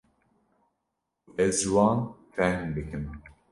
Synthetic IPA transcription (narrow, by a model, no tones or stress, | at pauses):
ɛzwɑːnfɛhmbɨkɨm